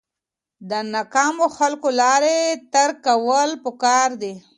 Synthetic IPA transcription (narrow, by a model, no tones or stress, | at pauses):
d̪ənɑkɑmoxalkolɑɾet̪aɾkawəlpəkɑɾd̪i